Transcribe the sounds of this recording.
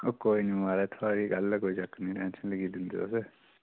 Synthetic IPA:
oːkoːinimaːɾaːt̪ʰaːɾiːɡɐlkoːit͡ʃəkːnĩːʈɛ̃ːnsənləɡiːd̪ɪnd̪ḛo̰se

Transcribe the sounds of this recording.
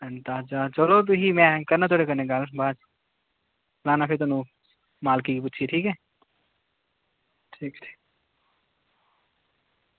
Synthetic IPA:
ənt̪at͡ʃat͡ʃəlot̪ʊɦimɛ̃kɐɾnat̪ʰoːɽekɐɾneɡalbaːd͡ʒ | laːnapʰɪɾt̪ʊnũ | maːlkikip̬ʊːʃʰiʈʰiːkɦɛː | ʈʰiːkʈʰi̥ː

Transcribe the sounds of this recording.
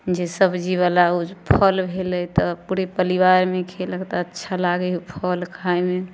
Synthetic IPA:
d͡ʒesəbd͡ʒiβalaupʰəlbʱelɛt̪ɔpuɾepəɾiʋaɾmekʰeləkt̪ɔətːʃʰalaɡɛupʰəlkʰajme

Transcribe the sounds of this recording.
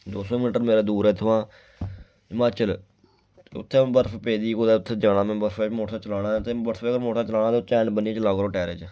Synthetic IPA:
d̪oːsoːmɪnʈəɾmeːɾaːd̪uːɾɛːt̪ʰʊʋãː | maːt͡ʃəl | ʊ̰t̪ʰːẽːbəɾfʰpeːd̪iːkoːd̪eːʊt̪ʰːeːd͡ʒãːɽ̃aːmɛ̃ːbəɾfʰɛːmoːʈʰãːt͡ʃəlaːɽãːt̪eːbəɾfʰɡəɾmoːʈʰaːt͡ʃəlaːɽ̃aːt̪ot͡ʃɛːnbəniẽːt͡ʃəlaːkəɾoːʈɛːɾeːt͡ʃ

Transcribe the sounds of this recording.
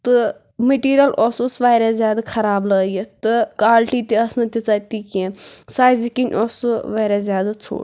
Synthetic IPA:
t̪ɨ | meʈiːɾʲijɐlɔsusʋaːjɾazʲjaːd̪ɨkʰɐɾaːblɐːjit̪ɨkaːlʈit̪ʲiɐsnɨt̪ʲit͡saːt̪ikẽsaːjzikinʲʔɔsuʋaːɾazʲjaːd̪at͡sʰo̰ːɽ

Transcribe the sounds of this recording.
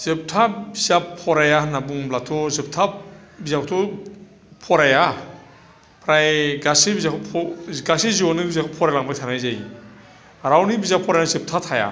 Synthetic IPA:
z̥ɯp̚tʰabizapʰːɔɾajanabuŋblatʰɔzɯp̚tʰa | bizaktʰɔ | pʰɔɾaja | pʰɾajɡasibizakʰɔpʰɡasiziɔnɯbizakʰɔpʰɔɾajlaŋbak̚tʰanajzaj | ɾawnibizapʰɔɾajazɯp̚tʰatʰaja̰

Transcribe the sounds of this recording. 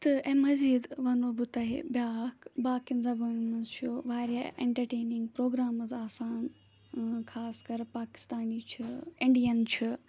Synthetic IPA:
t̪ɐɛ̃ːmɐziːd̪ʋɐnobʊt̪aːɦḛbjaːkʰbaːkinzɐbuːnmɐnzt͡ʃʰjoːʋaːɾija̰ʔẽɳʈɐɾʈeːnɪ̃ŋɡpɾoːɡɾaːməzaːsaːn | kʰaːskɐɾpaːkɪ̥st̪aːnit͡ʃʰɐɪ̃ɳɖijənt͡ʃʰɐ

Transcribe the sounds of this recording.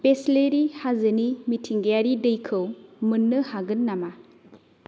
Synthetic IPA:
pesleɾihazɯnimitʰiŋɡejaɾidɯjkʰɯwmɯnːɯhaɡɯnːama

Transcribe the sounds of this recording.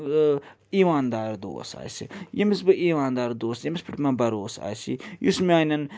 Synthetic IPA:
iːʋaːnd̪aːɾd̪o̰ːsa̰ːjsḭjɐmisbɨiːʋaːnd̪aːɾd̪oːsjɐmispiʈmãːbɐɾoːsa̰ːjsḭjṵsmʲaːinɐn

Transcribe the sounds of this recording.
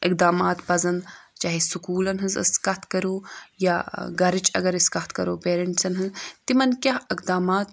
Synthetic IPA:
ikd̪aːmaːt̪pɐzɐnt͡ʃaːɦesukuːlɐnɦɨnzɐ̰skɐt̪ʰkɐɾoːjaːɡɐɾit͡ʃɐ̰ɡɐɾiskɐt̪kɐɾoːpeːɾɐɳʈsɐnɦɨzt̪imɐnkʲjaɦikd̪aːmaːt̪

